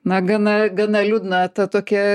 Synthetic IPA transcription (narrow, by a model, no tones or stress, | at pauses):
nɐɡɐnɐɡɐnɐlʲud̪nɐt̪ɐt̪oːkʲɛ